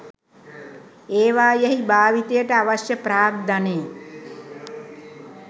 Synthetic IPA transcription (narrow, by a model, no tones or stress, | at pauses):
eːʋaːjeɦibaːʋit̪ejəʈəaʋaʃjəpɾaːɡ̚d̪aneː